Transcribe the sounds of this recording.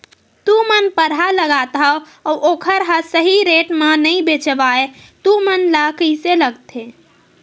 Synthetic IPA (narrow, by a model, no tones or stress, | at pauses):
t̪umənpəɽ̤ɦaləɡat̪ɦə | ɔʔokʰəɾɦə̃səɦiɾeʈmenəibet͡ʃbaet̪umənləkiseləɡt̪ʰe